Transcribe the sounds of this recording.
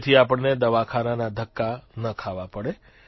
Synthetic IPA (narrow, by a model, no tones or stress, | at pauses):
t̪ʰiapəɳned̪əʋakʰananad̪ʱəkːanəkʰaʋapəɽe